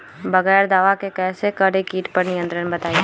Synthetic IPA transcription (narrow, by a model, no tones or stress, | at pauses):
bəɣɛːɾd̪aːʋakekɛːsekəɾekiːʈpəɾnɪjə̃nt̪ɾənbət̪aːi